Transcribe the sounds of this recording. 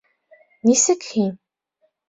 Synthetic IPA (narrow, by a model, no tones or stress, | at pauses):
nisɘ̆kxim